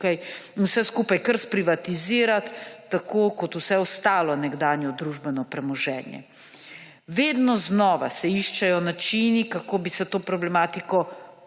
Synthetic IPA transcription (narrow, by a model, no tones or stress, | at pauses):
aj | wsɛskuːpajkəɾspɾiʋat̪iziːɾat̪ːakʰoːkɔt̪usɛɔst̪aːlɔnɛɡd̪aːnjɔd̪ɾuʒbɛnɔpɾɛmɔʒɛ̰ːnjɛ̰ | ʋeːd̪nɔznɔːʋa̰sɛiʃt͡ʃajɔnat͡ʃinikakoːbisɛt̪oːpɾɔblɛmaːt̪ikɔ